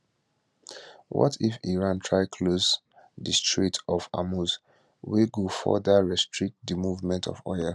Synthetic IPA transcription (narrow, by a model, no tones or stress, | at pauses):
wɔ̰tʰifiɹãntʰɹaɪkʰlos | distɹitʰɔfa̰mus | weɡufɔ̰dəɹɛstʰɹik̚t̚dimuvmɛ̃ntʰɔ̰fɔ̰jə